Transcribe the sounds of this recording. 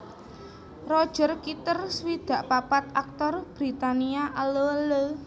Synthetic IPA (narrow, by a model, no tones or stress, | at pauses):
rɔd̥ʒ̥ə̤rkit̪ərswid̪̥ä̤ʔpapat̪̚ak̚t̪ɔrb̥ɾit̪aniaʔəlolə